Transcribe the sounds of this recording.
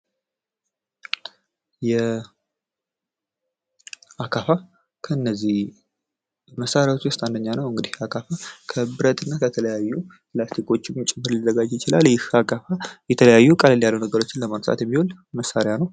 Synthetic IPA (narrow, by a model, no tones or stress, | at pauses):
jɛ | akʰafa | kʰəɨnːəzːih | məsːaɾjawo̞t͡ʃːwʊst̪ʼand̪əɲːanəwɨŋɡɨd̪ihakʰafakʰəbɨɾət̪ʰʼɨnːakʰət̪ʰələjajːu | plast̪ʰikʰo̞t͡ʃːɪmt͡ʃʼɪmːɨɾlizəɡad͡ʒjɪt͡ʃɪlaljɪhakʰʼafajɛt̪ʰələjajːukʼalɨljalːunəɡəɾo̞t͡ʃːɪnləmaɾt̪ʼa̰t̪jɛmːihol | məsːaɾjanəw